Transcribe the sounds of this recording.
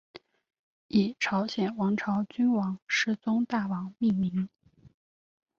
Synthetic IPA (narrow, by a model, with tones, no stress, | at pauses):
i˨˩ʈ͡ʂʰɑ˧˥ʊɕjɛ˨˩nwɑ˧˥ŋʈ͡ʂʰɑ˧˥ʊt͡ɕy˥nwɑ˧˥ŋʂɻ̩˥˩t͡sʊ˥ŋt̪a˥˩wɑ˨˧˥ŋmi˥˩ŋmi˧˥ŋ